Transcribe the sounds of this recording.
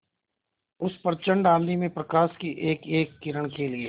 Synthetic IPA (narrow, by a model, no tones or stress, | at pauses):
ʊspəɾt͡ʃə̃ɳɖãːmnimẽpɾəkaːʃkiʔeːkeːkːɪɾəɽkelieː